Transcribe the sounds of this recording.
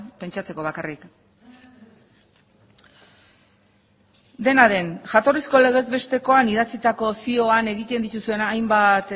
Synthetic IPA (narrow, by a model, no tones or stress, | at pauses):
pe̞nt͡ʃat͡se̞ko̞β̞akarik | d̪e̞naðe̞nʝat̪o̞risko̞le̞ɣ̞e̞zβe̞st̪e̞ko̞aniðat͡sit̪ako̞sio̞ane̞ɣit̪e̞nd̪it̪usue̞najmbat̪